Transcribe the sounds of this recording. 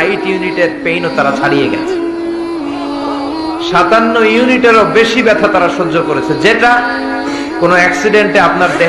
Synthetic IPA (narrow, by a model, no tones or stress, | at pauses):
jʈjuniʈeɾ̚pejnot̪aɾat͡ɕʰaɽijeɡɛ̰t͡ɕʰe̥ | ʃat̪anːojuniʈeɾobeʃibɛt̪ʰat̪aɾaɾʃod͡ʑokoɾet͡ɕʰend͡ʑeʈa | konoɛksiɖeɳʈeapnaɾd̪e